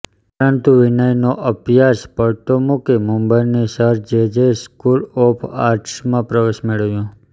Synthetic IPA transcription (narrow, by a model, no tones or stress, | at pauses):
pəɾənt̪ũʋɪnəjnoʔəpjaspəɭt̪omukemũmbəinesəɾd͡ʒed͡ʒeskulopʰa̰ɾʈsmãpɾəʋeʃmeɭəʋjũ